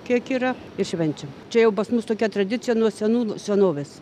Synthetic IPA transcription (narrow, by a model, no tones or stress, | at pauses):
kʲiɛkiːɾɐ | ɪrʃʲʋʲɛnʲt͡ʃʲɛmt͡ʃʲɛjɛʊpɐsmʊst̪oːkʲɛt̪ɾɐd̪ʲɪt͡sʲɪjɛnuɔsʲɛnuːsʲɛnoːʋʲeːs